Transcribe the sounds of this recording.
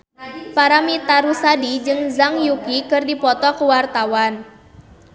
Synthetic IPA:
paɾamit̪aɾusadid͡ʒɨŋzaŋjukikɨrdipɔt̪ɔkuwart̪awan

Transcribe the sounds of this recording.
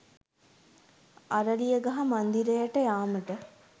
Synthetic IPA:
ɐɾɐlijəɡɐɦɐmɐnd̪iɾejəʈəjaːməʈə

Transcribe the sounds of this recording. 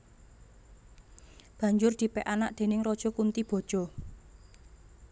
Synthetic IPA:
b̥ä̤ɲd͡ʒʊrd̪̥i̤pɛʔanaʔd̪̥e̤nɪŋrɔd̥ʒ̥ɔ̤kunt̪ib̥ɔ̤d̥ʒ̥ɔ̤

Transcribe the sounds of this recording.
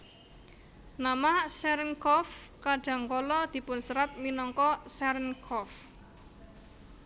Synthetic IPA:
namahsɛɾənkɔfkaɖ̥a̤ŋkɔlɔd̪̥i̤pʊnsəɾat̪̚minɔŋkɔsɛɾənkʰɔf

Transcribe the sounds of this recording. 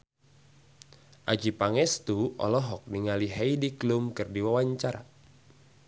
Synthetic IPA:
ʔad͡ʒipaŋɛst̪uʔɔ̰lɔɦɔk̚niŋaliɦajdiklʊmkɨrdiwawaɲt͡ʃaɾa̰

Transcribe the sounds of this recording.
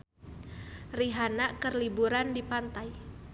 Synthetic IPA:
riɦanakərlibuɾandipant̪aj

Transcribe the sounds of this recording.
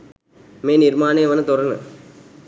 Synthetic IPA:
meːniɾmaːneːʋɐnɐt̪ɔɾɐnɯ̰

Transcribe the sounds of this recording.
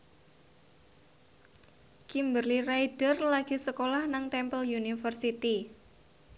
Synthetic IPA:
kimbərliraid̥ərlaɡ̥i̤səkolahnaŋt̪ɛmpəljunifərsit̪i

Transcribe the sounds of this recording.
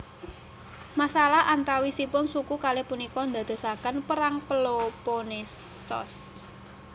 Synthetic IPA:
masalaʔant̪awisipʊnsukukalepunikɔnd̪a̤d̪̥ɔ̤sakənpəɾaŋpəloponesɔ̰s

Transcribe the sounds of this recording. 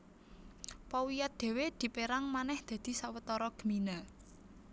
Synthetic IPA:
pɔwijat̪̚d̪̥e̤wed̪̥i̤peɾaŋmanɛhd̪̥ä̤d̪̥i̤sawət̪ɔɾɔɡ̥ə̤mina

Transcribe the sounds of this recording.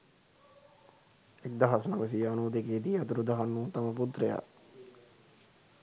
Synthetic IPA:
ek̚d̪aɦasnaʋəs̬iːanuːd̪ekeːd̪iːat̪uɾud̪aɦanːuːt̪aməput̪ɾeja̰

